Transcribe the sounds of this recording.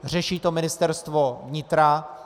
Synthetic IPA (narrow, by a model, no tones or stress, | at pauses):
r̝ɛʃiːt̪omɪnɪst̪ɛɾst̪vo̞vɲɪt̪ɾa